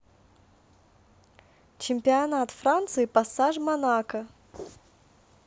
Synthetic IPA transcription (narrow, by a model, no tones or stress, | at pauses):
t͡ɕɪmʲpʲɪɐnat̪fɾant̪sɨipɐsaʐmɐnakə